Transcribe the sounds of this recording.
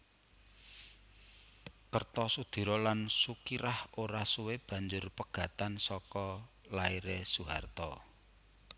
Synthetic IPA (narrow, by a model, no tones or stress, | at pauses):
kərt̪ɔsud̪̥i̤ɾɔlansukiɾahoɾasuweb̥ä̤ɲd͡ʒʊrpəɡ̥ä̤t̪ansɔkɔ | laiɾesuɦart̪ɔ